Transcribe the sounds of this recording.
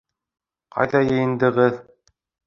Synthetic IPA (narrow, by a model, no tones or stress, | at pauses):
qʰɑ̰jðɑjɤ̆jɤ̆nd̪ɤ̆ʁɤð